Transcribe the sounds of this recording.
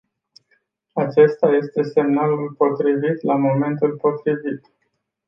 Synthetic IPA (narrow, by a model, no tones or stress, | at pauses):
at͡ʃe̞st̪aje̞st̪e̞se̞mnalulpo̞t̪ɾivit̪lamo̞me̞nt̪ulpo̞t̪ɾivit̪